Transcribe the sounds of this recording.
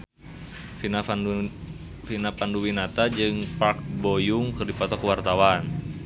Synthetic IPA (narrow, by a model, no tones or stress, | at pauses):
a | finapanduwinat̪ad͡ʒɨŋpak̚bojuŋkərdipɔt̪ɔkəwart̪awan